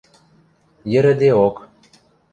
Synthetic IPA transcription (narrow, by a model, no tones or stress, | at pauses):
jə̆ɾə̆d̪eok